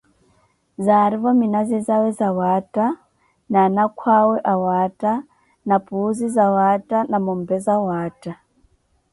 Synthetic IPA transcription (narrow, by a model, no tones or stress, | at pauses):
zaɾiβominazezawezawaːta | nanakwaweʔawata | napuzizawatanamombezawaːta